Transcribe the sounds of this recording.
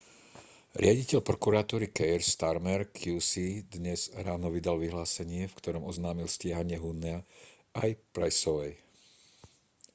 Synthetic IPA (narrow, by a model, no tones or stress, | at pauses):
ɾɪaɟicɛʎpɾɔkuɾaːt̪uːɾikɛjɾst̪aɾmɛɾkʰjuːsid̪ɲɛz̥ɾaːnɔʋid̪alʋiɦlaːsɛɲɪɛfkt̪ɔɾɔmɔznaːmilscɪaɦaɲɪɛɦunɛa | ajpɾajsɔʋɛj